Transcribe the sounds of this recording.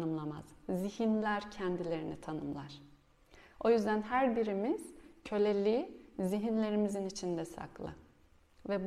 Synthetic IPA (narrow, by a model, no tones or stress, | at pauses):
nɯmlˠama̰z̥zihinlʲæɾcʰɛnd̪ilʲe̞ɾinit̪ʰanɯmlˠaɾ̥ | o̞jyzd̪ænɦæɾbiɾimiz̥cʰø̞lʲelʲiːziɦinlʲe̞ɾimizinit͡ʃʰind̪ɛsa̰klˠɯ̰ | vɛb